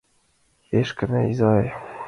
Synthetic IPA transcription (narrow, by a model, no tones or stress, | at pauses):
heʃkɘ̆næizɑj